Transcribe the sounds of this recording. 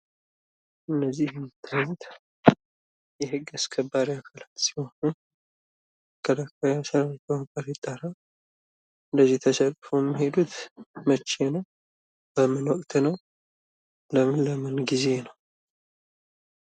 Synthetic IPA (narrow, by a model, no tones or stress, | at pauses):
ʔɨnːəzːihmt̪ʰːajɛt̪ | jɛhɨɡaskʰəbːaɾiakʰalat̪si̥ho̞nun | kʰəlakajasəɾakəakʼəɾɪt̪ʼːaɾa | ɨnd̪əzːiht̪ʰəsəlfoɛmːihe̞d̪ut̪mət͡ʃːe̞nəw | bəmɨnwɔkʼt̪nəw | ləmɨnləmɨnɡize̞nəw